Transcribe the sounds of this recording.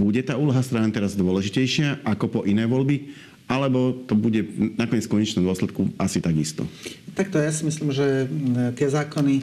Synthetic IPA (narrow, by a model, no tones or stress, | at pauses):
buɟɛt̪aːuːlɔɦast̪ɾaːnt̪ɛɾazd̪ʊɔlɛʒicɛjʃɪaʔakɔpɔʔinɛːʋɔlbi | ʔalɛbɔt̪ɔbuɟɛnakɔɲɪɛt͡skɔɲɛt͡ʃnɛmd̪ɔslɛt̪kuasit̪aɡist̪ɔ̰t̪ak̚t̪ɔjasimisliːmʒɛt̪ɪɛzaːkɔni